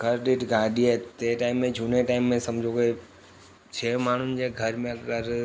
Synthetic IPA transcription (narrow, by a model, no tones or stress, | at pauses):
ɡʱɐɾɖɪʈɡaːɗiet̪eːʈaːɪmːẽd͡ʒʱuːneʈaːɪmːẽsɐmd͡ʑʱoke | t͡ʃʰeːmaːɳ̤ʊnɪ̆d͡ʑeɡʱɐɾmẽəɾ